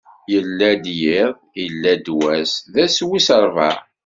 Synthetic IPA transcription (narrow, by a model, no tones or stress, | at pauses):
jəlːæd̪jɪðˤjəlːæd̪wæsðæswisəɾˤvæ